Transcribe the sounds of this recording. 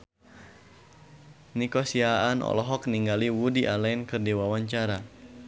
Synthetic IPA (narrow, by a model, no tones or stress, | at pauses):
nikɔsiaːnɔ̰lɔɦɔk̚niŋɡaliwudiʔalainkɨrdiwawaɲt͡ʃaɾa